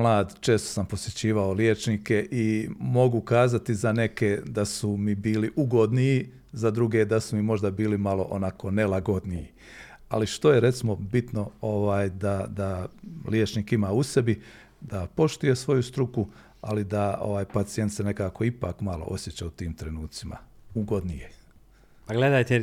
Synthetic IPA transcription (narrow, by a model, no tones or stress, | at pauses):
mlˠaːd̪t͡ʃe̞ːst̪o̥sampo̞sjet͡ɕiːʋaoljeːt͡ʃnike̞ʔimo̞ɡukaːzat̪izane̞ke̞d̪asumibiːliʔuɡo̞d̪niji | zad̪ɾuɡe̞d̪asumimo̞ʒd̪abiːlimalo̞̰ʔonako̞nelˠaɡo̞d̪niji | a̰liʃt̪o̞jeɾe̞t̪simo̞bit̪no̞oʋaːjd̪ad̪aljet͡ʃniːkimaːuse̞bi | d̪apo̞ʃt̪uje̞sʋo̞just̪ɾuku | a̰lid̪ao̰ʋaːjpat̪sije̞nt̪sene̞kaːko̞ipa̰ːkmalo̰ʔo̞sje̞t͡ɕaut̪iːmt̪ɾe̞nuːt̪sima̰uɡo̞d̪nije | paɡled̪ajt̪e